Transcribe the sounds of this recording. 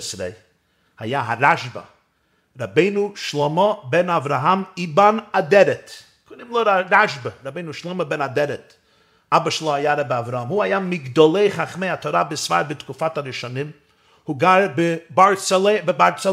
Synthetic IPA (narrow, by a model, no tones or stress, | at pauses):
sɾḛɪ | hajaɦaɾaʃbə̰ | ɾabeɪnuʃlˠɔmɔbɛnavɾaɦamibanadɛɾɛt | kʰodɪmlˠoɾaɾaʃbəɾabeɪnuʃlˠɔməbɛnadɛɾɛt | abəʃəlˠohajaɾabɪavɾaɦamhuhajamɪɡdɔlˠeɪχaχmeɪatʰɔɾabɪsfa̰ɾbɪtkufataɾɪʃɔnɪm | huɡaɾbɪbaɾt͡sebɪbaɾt͡s